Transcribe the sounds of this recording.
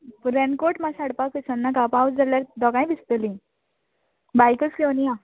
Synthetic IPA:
pɾɛnkoʈmasaɽpakesənːakapawsd͡zaljaɾd̪ɔɡãj̃bist̪əlĩ | bajkəskenija

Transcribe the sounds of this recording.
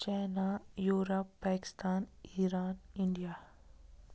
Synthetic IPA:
t͡ʃaːnajuːɾəpːaːkɪ̥st̪aːniːɾaːnɪɳɖijaː

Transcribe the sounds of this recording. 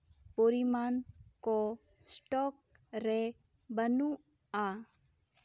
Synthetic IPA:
poːɾimaːnko | sʈɔːk̚ | ɾɛ | bənũ | aː

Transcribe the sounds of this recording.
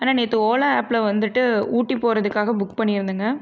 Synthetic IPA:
aːnaːnit̪ːɯoːlaaːpːlɐʋɐnd̪ɯʈːɯuːʈːipːoːɾɐðɯkːaːɣɐbʊkːpɐɳːɪɾɯnd̪ɯŋɡɐ

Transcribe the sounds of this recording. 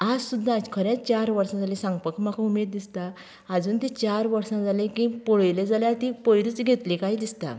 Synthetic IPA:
ad͡zsud̪ʱːãd͡zkʰəɾãt͡st͡ɕaɾʋəɾsãd͡zalisãŋɡpəkm̤akʰaumed̪̚d̪ist̪aː | d͡zuːnt̪it͡ɕaɾʋəɾsãd͡zʱalẽkĩpoɭjled͡zaljat̪ipojɾit͡sɡʱet̪likaɦiːd̪ist̪a̰

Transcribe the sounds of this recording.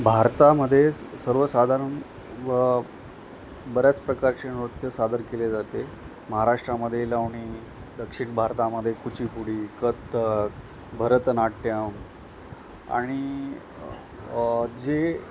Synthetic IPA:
bʱaɾt̪aməd̪ʱːjesəɾʋəsad̪ʱaɾəɳ | bəɾjat͡spɾəkaɾt͡ɕenɾot̪jəsad̪əɾkeled͡zat̪e | məɦaɾaʂʈɾaməd̪ʱːjelaʋɳiː | d̪əkʂiɳbʱaɾt̪aməd̪ʱjekut͡ɕipuɽiːkət̪ːək | bʱəɾət̪naʈːjəm | a̰ɽ̃i | d͡ze

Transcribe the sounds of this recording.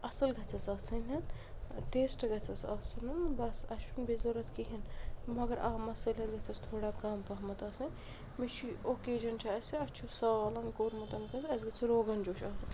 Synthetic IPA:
ɐsɐlɡɐt͡sʰɐsaːsɐnʲɐn | ʈeːsʈɐɡɐt͡sʰɐsɐ̰sɨnɐnbɐsɐʃunbezoɾɐt̪ʰkiɦinmɐɡɐɾʔaːmɐsɐlʲɐɡɐt͡sʰɐst̪ʰoːɽaːkaːmpɐɦmɐt̪aːsɐnʲ | mit͡ʃʰioːkeːd͡ʒɐnt͡ʃʰaɐsiɐt͡ʃʰusɐʋaːlɐnkoːɾmɐt̪ɐnkɐt͡sɐsɡɐt͡sʰiɾoːɡɐnd͡ʒoːʃaːt͡sʰɐn

